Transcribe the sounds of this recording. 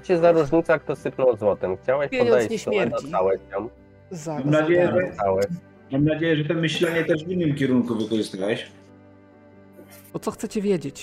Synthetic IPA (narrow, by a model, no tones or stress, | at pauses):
t͡ɕɛzaɾuʐɲit̪sak̚t̪ɔsɘpnɔ̃wzwɔt̪ɛmxt͡ɕawɛɕɔɲd̪ɛjɲsmɛɛd̪ɔt̪awɛɕam | zamamnad͡ʑejɛɛt̪awɛ | mamnad͡ʑejɛʐɛt̪ɔmɘɕlɛɲɛt̪ɛʐvinːɘmkʲɛɾuŋkuvɨkɔʐɨst̪awɛɕ | ɔt̪sɔxt̪sɛt͡ɕɛvʲjɛd͡ʑet͡ɕ